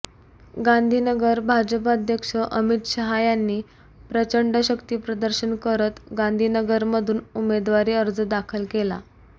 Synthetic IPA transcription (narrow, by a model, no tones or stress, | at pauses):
ɡãnd̪ʱiːnəɡəɾbʱad͡ʑəpad̪ʱjəkʂəʔəmit̪ɕəɦajanːiː | pɾət͡ɕəɳɖəɕəkt̪iːpɾəd̪əɾɕənkəɾət̪ɡãnd̪ʱiːnəɡəɾməd̪ʱuːnumed̪ʋaɾiːəɾd͡zəd̪akʰəlkela̰